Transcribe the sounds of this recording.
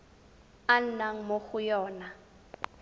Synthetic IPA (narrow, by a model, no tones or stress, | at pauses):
an̩naŋ̩moxʊjɔːna